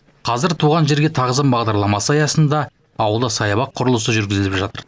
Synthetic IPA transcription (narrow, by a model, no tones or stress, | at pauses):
qʰɑzɪɾt̪ʰuʁɑnʒe̞ɾɡʲe̞t̪ʰɑʁəzəmbɑʁd̪ɑɾlˠɑmɑsəɑjɑsənd̪ɑː | wəlˠd̪əsɑjɑβɑq̚qʰʊɾəlˠəsəʒʏɾɡʲɪzɪlɪpʒɑt̪əɾ